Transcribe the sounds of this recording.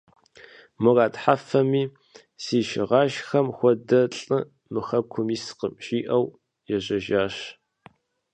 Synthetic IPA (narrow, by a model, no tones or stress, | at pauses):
mʊraːtħafɐmiː | siːʃɪ̰ʁɑːʃxɐmxʷɔdɐɬʼɨ | mɨxɐkʷʰʊmiːsqəmɕʼiːʔɐw | jɛʑɐʒaːɕ